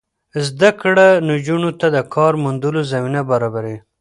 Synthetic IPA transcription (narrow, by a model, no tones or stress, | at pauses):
zd̪akɽanod͡ʒunot̪ad̪əkʰɑɾmʊnd̪ulozaminabaɾɑbaɾe